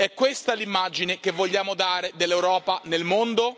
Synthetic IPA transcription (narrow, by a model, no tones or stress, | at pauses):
ɛkːwest̪alimːad͡ʒinekevːoʎːaːmod̪aːɾed̪elːewɾɔːpanelmond̪o